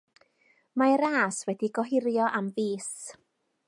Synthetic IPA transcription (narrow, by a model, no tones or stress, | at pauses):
maɛɾaːswɛdiɡɔɦɪɾjɔʔamviːs